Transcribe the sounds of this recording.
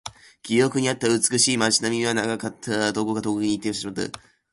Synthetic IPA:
kʲijo̞kɯ̟ɲ̟iat̪ːaɯ̟t͡sɨ̥kɯ̟ɕiːmat͡ɕinamʲiβanaɡakat̪ʰːad̪o̞koɡat̪o̞koiɲ̟it̪ːeoɕteɕimat̪ɨ̰

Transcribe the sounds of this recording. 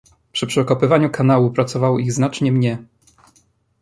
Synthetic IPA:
pʂɘpʂɘɔkɔpɘvaɲukanawupɾat̪sɔvawɔiɣznat͡ʂɲɛmɲɛ

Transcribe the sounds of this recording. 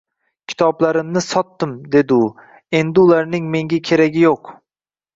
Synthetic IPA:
kʲʰɪ̥t̪ʰɒblaɾɪmnɪsɒt̪ːɪmd̪e̞d̪ɪʊ | e̞nd̪ɪʊlˠaɾnɪŋme̞ŋɡʲakʲʰe̞ɾaɡʲɪjoq

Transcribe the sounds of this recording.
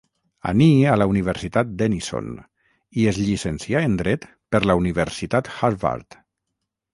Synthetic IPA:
a̰nialauniβ̞eɾsit̪at̪̚d̪eniso̰n | iezʎisensiaend̪ɾɛt̪ | pəɾlauniβ̞eɾsit̪at̪xaɾβa̰ɾt̪

